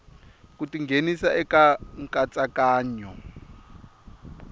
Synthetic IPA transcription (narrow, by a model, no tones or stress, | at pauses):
kutiŋɡʱenisaʔɛkaŋkʼat͡sʼakaːɲɔ